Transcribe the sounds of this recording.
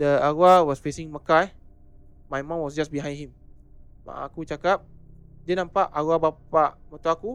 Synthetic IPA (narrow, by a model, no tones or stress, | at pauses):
dəaɡuawɔsfesĩŋməkaj | majmãnwɔsd͡ʒasbiɦãj̃hĩm | ma̰ʔa̰kut͡ʃakap̚diənãmpaʔaɡuabapaʔmə̃t̪uaku